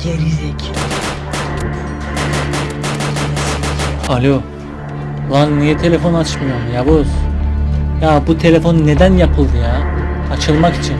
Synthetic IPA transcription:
eɾizekʰi | alʲo | lˠannijɛt̪ʰe̞lʲe̞fo̞nat͡ʃmɯjamɯjaboz | jabut̪ʰe̞lʲe̞fo̞nne̞d̪ænjapʰɯlˠd̪ɯjaː | at͡ʃʰɯlˠmaki̥t͡ʃʰin

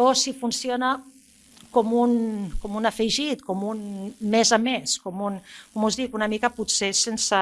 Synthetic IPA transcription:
osifunsiona | komunkomunafejʒit̪komunmezameskomunkomuzðikunamikəput̪sesensa

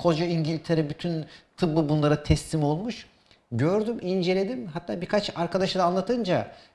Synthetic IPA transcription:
kʰo̞d͡ʒaiɲɟilʲt̪ʰe̞ɾɛbyt̪ʰynt̪ʰɯblɯbunlˠaɾat̪ʰɛslʲimo̞lˠmuʃ | ɟøɾd̪ymind͡ʒe̞lʲe̞d̪imɦat̪ʰːaːbikʰat͡ʃaɾkʰad̪aʃd̪aːnlˠat̪ʰɯnd͡ʒa

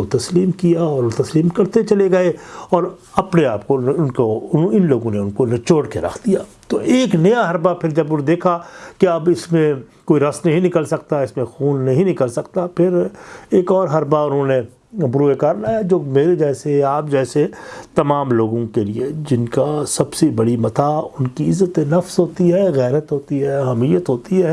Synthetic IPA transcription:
ot̪ɐsliːmkijaɔːɾot̪ɐsliːmkɐɾt̪et͡ʃɐleɡɐeɔːɾ | ɐpneaːpkonʊnkoʊnõɪnloːɡõneʊnkonɐt͡ʃoːɽkḛɾɐ̰kʰd̪ijaːt̪oʔeːknɐjaɦɐɾbapʰɪɾd͡ʒɐbʊnd̪eːkʰakeɐbɪsmẽkoːiɾɐsnɐɦĩnɪkəlsɐk̚t̪aɪsmẽxuːnːɐɦĩnɪkəlsɐkt̪apʰɪɾeːkɔːɾɦɐɾbaʊnɦõne | bɾuːekaːɾlaːjad͡ʒoːmeːɾed͡ʒɛːseaːp̚d͡ʒɛːset̪ɐmaːmloːɡõkelied͡ʒɪnkasɐbsebɐɽimɐt̪aʊnkiɪzːət̪enɐfsɦoːt̪iɦɛːɣɛːɾət̪ɦoːt̪iɦɛːɦɐmijət̪ɦoːt̪iɦɛː

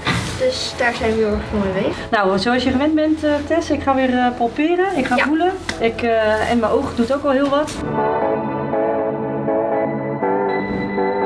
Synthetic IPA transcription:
d̥øsd̥aːɹsɛjnʋəoɹxfɔnəʋeːnawsoɔsjəχəʋɛnbɛnttʰɛsɪkχaːʋɪːrpɔlˠpɪːrəɪkχafuləɪkɛ̰nmɛjʔowxdutokʋɔlˠɦiəlˠʋɔt

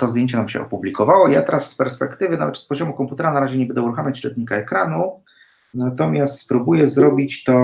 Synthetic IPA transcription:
t̪ɔzd̪jeɲt͡ɕɛnamɕɛ̰ʔɔ̰publʲikɔvawɔija̰t̪ɛɾasːpɛɾspɛkt̪ɘvɘna̰vɛt̪spɔʑɔmukɔmput̪ɛɾanaɾaʑɛɲɛbɛnd̪ɛuɾuxamʲat͡ɕʂt͡ʂɛt̪ɲikaɛkɾanu | nat̪ɔmʲjast̪spɾubujɛzɾɔbʲit͡ɕt̪ɔ

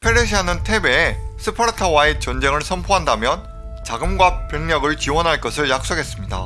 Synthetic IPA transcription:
pʰeɾeɕʰiɦanɯntʰe̞beːsʰɯpʰaɾɯtʰawaet͡ɕʌnd͡ʑe̞ŋɯɭsʰʌmpʰoɦandamjʌn | t͡ɕaɡɯmɡwapjʌŋɲʌɡɯɭt͡ɕiwʌnɦaɭk͈ʌsʰɯɭjak̚s͈oɡe̞s͈ɯmɲida̰

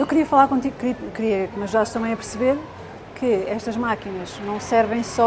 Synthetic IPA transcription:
ewkɾiɐfɐlˠaɾkõt̪̬iɣukɾikɾiɐkmɐʒuðaɾʃt̪ɐ̃mɐ̃j̃ɐpɨɾsɨβeɾ | kʰɨɛʃt̪ɐʒmakinɐʒnɐ̃w̃sɛɾvɐ̃j̃sɔ

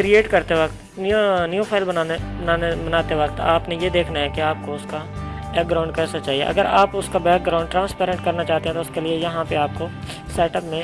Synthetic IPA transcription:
kɾieːʈkɐɾt̪eʋɐkt̪ | nnjopʰaːɪlbɐnːbnaːnbɐnaːt̪eʋɐkt̪a̰ːpnejed̪eːkʰnaɦɛkiaːp̚koʊskabɛːk̚ɡɾaːʊ̃ɳɖ̚kɛːsɐt͡ʃaːɦiḛʔɐ̰ɡəɾaːpʊskabɛːk̚ɡɾaːʊɳɖ̚ʈɾãːnspɛːɾə̃ɳʈkɐɾnat͡ʃaːɦt̪eɦɛ̃t̪oʊskeliejɐɦãpeaːp̚ko | sɛːʈəpmẽ

